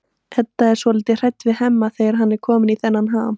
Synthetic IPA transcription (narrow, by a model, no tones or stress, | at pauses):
hɛt̪ːaɛɾ̥svɔlɪːt̪ɪr̥ɛjt̪ːvɪðɦɛmːaθeːjaɾ̥ɦanːɛɾ̥kʰɔːmɪniθɛnːanɦaːm